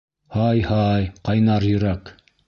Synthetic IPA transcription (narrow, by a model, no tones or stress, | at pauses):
hɑjhɑjqɑjnɑɾjɵ̆ɾɑk